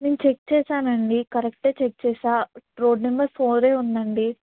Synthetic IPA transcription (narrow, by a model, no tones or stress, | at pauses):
neːnt͡ʃek̚t͡ʃeːsaːnɐɳɖikɐɾek̚ʈeːt͡ʃek̚t͡ʃeːsaːʈɾoːɖnimɐɾsoːɾeːund̪ɐɳɖi